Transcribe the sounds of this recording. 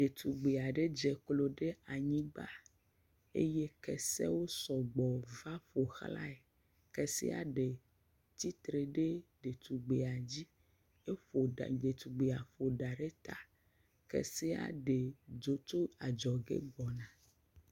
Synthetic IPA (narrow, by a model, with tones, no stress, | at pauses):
ɖe˨t̪u˨ɡ͡be˨a˨ɖe˦d͡ʒɛ˨klo˦ɖe˦a˨ɲĩ˦ɡ͡ba̰˦ | ḛ˦je˦kɛ̰˨sɛ̰˦wo˦sɔ˨ɡ͡bɔ˨va˦ɸo˨xla̰˦e˨ | kɛ˨sḭ˦a̰˨ɖe˨ | t̪i˦t̪ɾe˨ɖe˦ɖe˨t̪u˨ɡ͡be˨a˨d͡ʑi˦ | e˦ɸo˨ɖa̰˨de˨t̪u˨ɡ͡be˨a˨ɸo˨ɖa˨ɖe˦t̪a˨ | kɛ̰˨se˦a̰˨ɖe˨d͡ʒo˨t̪o˦a˨d͡ʒɔ˨ɡḛ˦ɡ͡bɔ˨nã˨